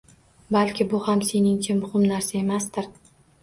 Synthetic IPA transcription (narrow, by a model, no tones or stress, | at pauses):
balʲkʲʰɪbʊhamse̞nɪŋt͡ʃʰamʊhɪmnaɾsae̞mast̪ɪɾ